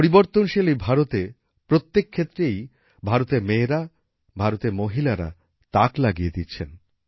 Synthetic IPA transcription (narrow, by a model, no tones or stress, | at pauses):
poɾiboɾt̪onʃelibʱaɾot̪e | pɾot̪ːekʰːet̪ːɾej | bʱaɾot̪eɾmeːɾa | bʱaɾot̪eɾmoɦilaɾa̰ | t̪aklaɡijed̪itːɕʰen